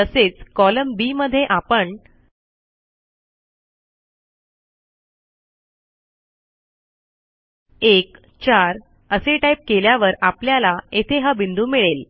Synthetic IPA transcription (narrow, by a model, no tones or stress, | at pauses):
əset͡skɔləmbiməd̪ʱːjeʔapəɳ | ek | t͡ɕaɾ | əseʈaip̚keljaʋəɾapljalaet̪ʰeɦabind̪ʱuːmiɭel